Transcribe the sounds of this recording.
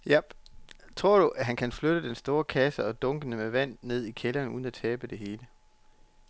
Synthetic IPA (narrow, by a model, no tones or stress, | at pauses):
jæb̥ | t͡sʰʁo̝ɐ̰ɾ̥uʔæɦænkʰænfløɾ̥əd̥ensd̥o̝ːɐkʰæsəɒ̽d̥ɔ̽ŋɡ̥ənəmeʋæn̰ːe̝ð̰ˠikʰelɐːnuːð̞ˠn̩æt͡sʰɛːb̥əd̥e̝ɦe̝ːlə